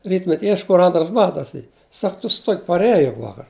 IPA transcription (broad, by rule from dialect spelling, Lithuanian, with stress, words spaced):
ˈrʲiːtʲmʲɛtʲ ˈiɛʃk kʊr ˈɐntrɐs ˈbɑːtɐs ˈiː ˈsɐk tʊ sʊ ˈtuɔkʲ pɐrʲˈæːjɛ jʊk ˈʋɑːkɐr